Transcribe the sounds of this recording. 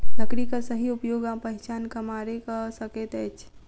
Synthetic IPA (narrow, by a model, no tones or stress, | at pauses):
nəkɾikasəɦiʊpjoːɡãpəɦɪt͡ʃaːnkamaːɾekasɐkeːt̪ɛːt͡ʃʰ